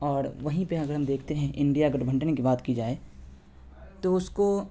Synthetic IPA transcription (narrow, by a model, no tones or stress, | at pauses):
ɔːɾʋɐɦĩpeɐɡəɾɦɐmd̪eːkʰt̪eɦɛ̃ʔɪ̃ɳɖijaɐɡɐʈbʱɐ̃ɳʈnekibaːt̪kid͡ʒaːe | t̪oʊsko